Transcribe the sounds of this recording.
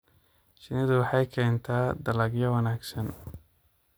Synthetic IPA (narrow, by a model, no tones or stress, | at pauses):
t͡ʃɪnɪðʊwɑħɑjkʰɛːnt̪ʰaːd̪ɐlɐɡjɐwɐnaːɡsɐn